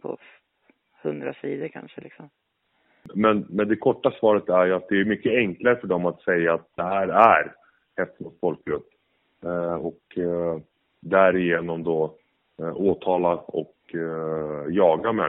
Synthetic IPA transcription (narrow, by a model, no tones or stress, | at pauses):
pʰɔ̰ | hɵnd̪ɾa̰siːd̪əɾkʰa̰nʂəlɪksɔm | mɛnmɛnd̪ɛkʰɔʈːasvɑːɾət̪æɾjɵat̪̚d̪ɛæɾmʏkːəɛŋklaɾəfœɖɔmat̪sɛjːaːt̪̚d̪ɛhæːɾæɾ | hɛft̪ənʊsfɔlkɾɵpː | ɔk | d̪æɾɪjeːnɔmd̪o | oːt̪ʰɑːlaɔk | jɑːɡamɛ̰